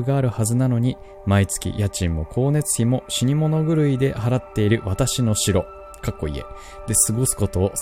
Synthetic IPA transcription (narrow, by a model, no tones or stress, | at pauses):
ɡaːɾɯ̟hazɨnano̞ɲ̟i | mait͡sɨ̥kʲḭjat͡ɕĩmːo̞kʰo̞ːne̞t͡sɨ̥çimo̞ɕiɲ̟imo̞no̞ɡɯ̟ɾɯ̟id̪e̞haɾat̪ːe̞iɾɯ̟βat̪aɕino̞ɕiɾo̞ | kakːo̞̰ḭe̞̰ | d̪̥e̞sɨɡo̞sɨ̥ko̞t̪o̞ː